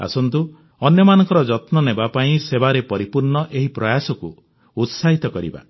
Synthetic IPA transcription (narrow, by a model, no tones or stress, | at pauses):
a̰sɔnt̪u | ɔnjɔmanɔ̃ŋkɔɾɔd͡ʒɔt̪nɔnebapaĩsebaɾepɔɾipuɾnɔʔeɦipɾɔjasɔkuː | t̪saɦit̪ɔkɔɾḭba̰